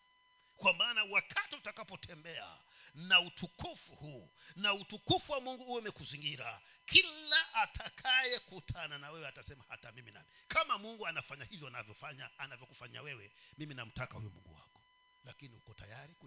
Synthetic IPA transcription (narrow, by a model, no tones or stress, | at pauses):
kwamaːnawakʰatiutakapɔtʰɛmbɛa̰ | nautʰukufuhunautukufuwamuŋɡuuwɛamɛkuziŋɡiɾa̰ | kʰilaʔːtʰakʰajɛkutʰananawɛwɛatasɛmaha̰tamimina̰mikamamuŋɡuanafaɲahivjɔanavjɔfaɲaːnavjɔkufaɲa̰wɛwɛmiminam̩takahujṵmṵɡṵwa̰kɔ̥ | lakinihukɔta̰jaɾik